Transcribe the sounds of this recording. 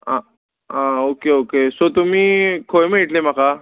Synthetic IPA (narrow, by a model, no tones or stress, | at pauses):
a | ãokeokesot̪um̤iːkʰojmeiʈlem̤akʰa